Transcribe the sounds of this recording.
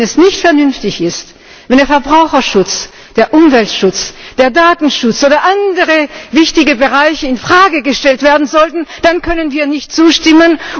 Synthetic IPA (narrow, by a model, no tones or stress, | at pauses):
ɛsnɪçtfɛɐnʏnftɪçɪst | vɛndeɐfɛɐbʁaʊxɐʃʊt͡s | d̥eːɐʔʊmvɛltʃʊt͡sd̥eːɐdaːtn̩ʃʊt͡sʔoːdɐʔandəʁəvɪçtɪɡəbəʁaɪçəɪnfʁ̥aːɡəɡəʃtɛltv̥eːɐdn̩zɔltn̩d̥ankʰœnənviːɐnɪçtt͡suːʃtɪmən